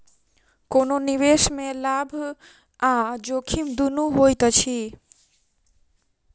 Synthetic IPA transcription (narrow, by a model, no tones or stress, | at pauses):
kononiʋeʃmẽlabʱ | ad͡ʒokʰimd̪unuɦojt̪ət͡ɕʰi